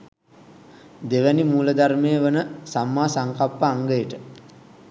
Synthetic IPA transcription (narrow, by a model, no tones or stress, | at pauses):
d̪eʋænimuːləd̪aɾmejəʋənəsamːaːsaŋkapːəaŋɡəjəʈə